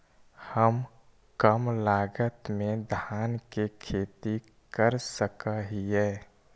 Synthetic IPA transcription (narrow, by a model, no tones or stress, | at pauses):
həm | kəmlaːɡət̪mẽd̪ʱaːnkekʰeːt̪i | kəɾsəkəɦiɛː